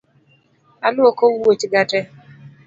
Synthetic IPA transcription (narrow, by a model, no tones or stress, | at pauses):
anʊokowot͡ʃɡatɛ